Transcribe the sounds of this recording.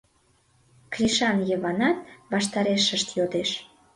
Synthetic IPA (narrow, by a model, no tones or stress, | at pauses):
krʲiʃɑnjəβɑnɑt̪̚βɑʃt̪ɑɾeʃəʃt̪jod̪eʃ